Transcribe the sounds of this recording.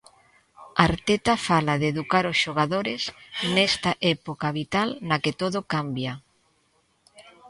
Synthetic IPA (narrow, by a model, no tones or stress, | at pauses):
aɾt̪et̪afalaðeðukaɾosʃoɣ̞aðoɾesnɛst̪aʔɛpokaβit̪alnaket̪oðokambja